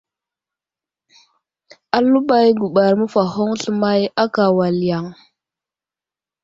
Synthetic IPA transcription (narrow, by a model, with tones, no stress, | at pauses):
a˨lu˦ɓa˦jɡu˨ɓa˨ɾmə˦fa˨ɦo˦ŋɬə˨ma˦ja˦ka˨wa˨lja˨ŋ